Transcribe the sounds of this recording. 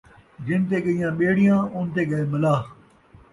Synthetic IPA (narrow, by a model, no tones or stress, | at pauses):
d͡ʒɪnt̪eːɠəijãːɓeːɽijãːʊnt̪eːɠɐeːmɐlaː